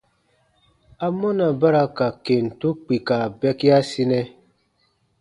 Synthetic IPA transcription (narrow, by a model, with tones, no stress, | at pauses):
a˦mɔ˦na˨ba˦ɾa˦ka˨ke˨n̩˨tu˦k͡pi˨ka˨bɛ˦ki˦a˦si˦nɛ˦